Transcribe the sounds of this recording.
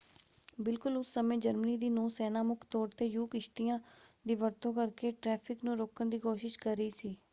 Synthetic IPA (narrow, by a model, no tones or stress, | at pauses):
bɪlkʊlʊsːəmẽːd͡ʒəɾməniːd̪iːnõːsɛːnaːmʊkʰt̪ɔːɾt̪eːjuːkɪʃt̪ijãːd̪iːʋəɾt̪õːkəɾkeːʈɾɛːpʰɪknũːɾoːkəɳd̪iːkoːʃɪʃkəɾəiːsiː